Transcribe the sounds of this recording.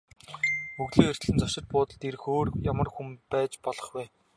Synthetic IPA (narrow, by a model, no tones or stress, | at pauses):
uɣɮeːer̥t̪ɮɘ̆nt͡sɔʃɪ̆t̪̚pʊːt̪ə̆ɮt̪er̆xoːrjamə̆rxumpæːt͡ɕpɔɮɞ̆χwæː